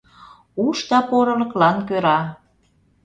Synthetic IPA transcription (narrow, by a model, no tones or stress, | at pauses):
uʃt̪ɑpoɾɤlə̆klɑnkøɾɑ